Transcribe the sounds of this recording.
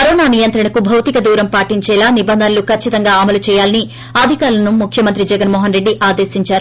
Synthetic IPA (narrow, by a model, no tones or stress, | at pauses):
pɐɾoːnaːnijɐnt̪ɾɐɳɐkubʱɐwt̪ikɐd̪uːɾɐmpaːʈiɲt͡ʃɛːlaːnibɐnd̪ʱɐnɐlukʰɐt͡ʃːit̪ɐŋɡaːɐmɐlut͡ʃɛːjaːlɐni | aːd̪ʱikaːɾlɐnumukʰjɐmɐnt̪ɾid͡ʒɛɡɐnmɔːɦɐnɾe̞ɖːiʔaːd̪e̞ːsiɲt͡ʃaːɾu